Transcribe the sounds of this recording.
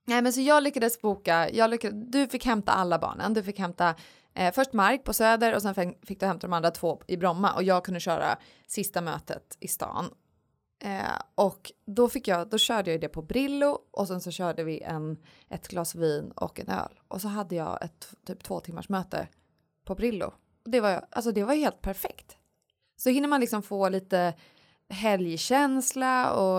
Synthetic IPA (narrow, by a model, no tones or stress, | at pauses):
nɛmɛns̬ɔjɑːɡlʏkːad̪əsbuːkajɑːɡlʏkːad̪d̪ɵfɪkːhɛmt̪a̰ʔalːabɑ̰ːɳə̰nd̪ɵfɪkhɛmt̪a | fœʂʈmaɾk̚pʰɔsøːd̪əɾɔsɛnfɛfɪkd̪ɵhɛmt̪ad̪ɔmand̪ɾat̪ʰvoːɪbɾɔmːa̰ʔɔ̰jɑːɡ̚kʰɵnd̪əɕœːɾa̰ | sɪst̪amøːt̪ə̰t̪ɪst̪ɑ̰ːn̰ | ʔɔkd̪ɔfɪkːjɑːd̪ɔɕœːɖəjɑjʏd̪ɛpʰɔbɾɪlːʊʔɔsɛnsɔɕœːɖəvɪʔɛ̰n | ʔɛt̪ɡ̥lɑːsviːnɔ̰kɛ̰nø̰ːlʔɔsɔɦad̪ːəjɑ̰ːɛ̰t̪ːt̪ʰːyːp̚t̪ʰvoːt̪ʰɪmːa̰ʂmœːt̪ə̰ | pʰɔbɾɪlːʊ̰ | ɔd̪ɛvajʔa̰ls̬ɔd̪ɛvajheːlt̪̚pʰæɾfɛkt̪ | sɔhɪnːəmanlɪksɔmfoːliːt̪ə | ɦɛljɕɛnslaɔ